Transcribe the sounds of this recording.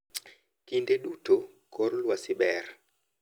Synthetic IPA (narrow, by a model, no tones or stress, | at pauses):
kindeɗutʰo | kɔrlwasɪɓɛɾ